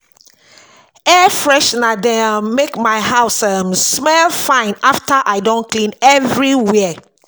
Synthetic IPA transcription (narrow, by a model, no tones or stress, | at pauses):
ɛfɹɛʃnadɛ̃amːekmajhaʊsəmsmɛlfãɪ̃naftəʔaɪdõnklĩnɛvɹiwɛ